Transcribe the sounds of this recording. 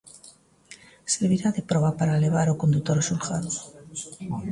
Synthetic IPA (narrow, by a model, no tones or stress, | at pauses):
seɾβiɾaðepɾɔβapaɾaeleβ̞aɾokond̪ut̪oɾsulxaðo